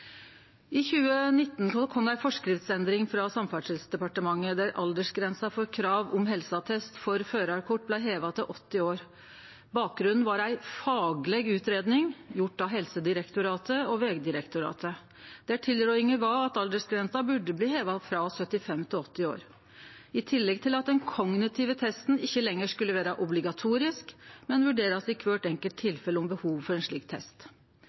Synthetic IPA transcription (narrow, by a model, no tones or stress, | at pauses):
ɪçʉːənɪt̪ːnkʰɔmd̪æɪfɔʂkɾɪft̪sɛnd̪ɾɪŋfɾɑsɑmfɑʂɪlsd̪ɛpɑʈəmɑŋːəd̪æɾʔɑ̰ld̪əʂɡɾɛnsɑfɔɾkʰɾɑːʋʊmɦɛlsɑt̪ʰɛst̪fɔɾføːɾɑɾkʰɔʈ̚ːblæɪɦeːʋɑt̪ʰɪʔɔt̪ːɪoːɾ | bɑːk̚ɡɾʉnn̩ʋɑɾæɪfɑːɡlɛɡʉːt̪ɾeːd̪nɪŋjʊʈːɑɦɛlsəd̪ɪɾɛkt̪ʊɾɑːt̪ʰəɔʋɛːɡd̪ɪɾɛkt̪ʊɾɑ̰ːt̪ʰə | d̪̥ɛæʈʰɪlːɾœʏɪŋəʋɑɑt̪ɑld̪əsɡɾɛnsɑbʉɖːəbliːheːʋɑfɾɑsœt̪ːɪfɛmːt̪ʰɪlɔt̪ːɪo̰ːɾ | ɪt̪ʰɪlːɛɡt̪ʰɪlɑt̪̚d̪ɛnkʰɔŋnɪt̪ʰɪːʋət̪ʰɛst̪n̩ɪçːəlɛŋːəʂkʉlːəʋæːɾɑʔʊblɪɡɑt̪ʰuːɾɪskmɛnʋʉɖeːɾɑsɪkʰʋøːʈɛŋkəlt̪ʰːɪlfɛləɔmbəhuːʋfɔɾɛnʂɭiːkt̪ʰɛ̰st̪